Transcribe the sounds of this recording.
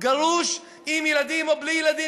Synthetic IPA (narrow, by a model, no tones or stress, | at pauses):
ɡaluʃ | imjelad̪imoblijelad̪i